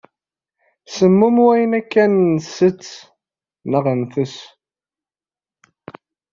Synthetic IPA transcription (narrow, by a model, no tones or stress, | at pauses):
səmːumwæjənækːænːsət͡sː | nəʁənθəs